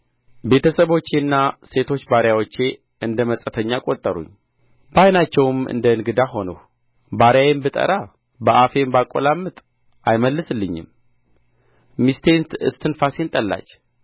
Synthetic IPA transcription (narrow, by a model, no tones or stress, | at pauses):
be̞t̪ʰəsəβo̞t͡ʃːenːase̞t̪ʰo̞t͡ʃːbaɾjawot͡ʃːe̞ | ɨnd̪əməsʼət̪ʰəɲːakʼot̪ʼːəɾṵɲː | bajnat͡ʃːɛwɨmɨ̰nd̪əɨnɡɨd̪aɦo̞nəh | baɾjajembɨt̪ʼə̰ɾa | bəʔafe̞mbakʼːo̰lamːɨt̪ʼ | ʔajməlːɨsɨlːɨɲːɪ̰m | mist̪ʰe̞nt̪ɨ̰st̪ʰɨnfase̞nt̪ʼəlːa̰t͡ʃː